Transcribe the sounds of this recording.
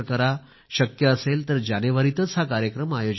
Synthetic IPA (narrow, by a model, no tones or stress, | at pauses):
kəɾa | ɕəkjəːselt̪əɾd͡ʑaneʋaɾit̪ət͡sɦakaɾjəkɾəmajod͡ʑ